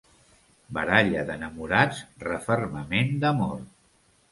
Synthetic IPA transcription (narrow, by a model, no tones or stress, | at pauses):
bəɾaʎəðənəmuɾad͡zrəfərməmend̪əmɔr